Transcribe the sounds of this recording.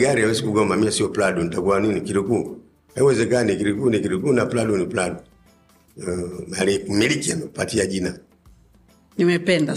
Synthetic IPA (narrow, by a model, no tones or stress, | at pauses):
ɡaɾiawɛsikuɡɔmamiasiɔpladunitakuaninikiɾiku | hawɛzɛkanikiɾikunikiɾikunapladunipladu | malikumilikianaku̥patiad͡ʒina | niwɛpɛnda